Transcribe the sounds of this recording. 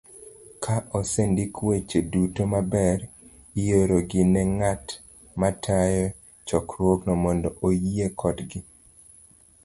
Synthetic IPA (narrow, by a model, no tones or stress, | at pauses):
kʰaʔɔsendikwet͡ʃedutomabɛɾ | ijoɾoɡɪnɛŋat | matʰajɔ | t͡ʃɔkɾwoɡnɔmɔndɔʔojiekʰɔdɡɪ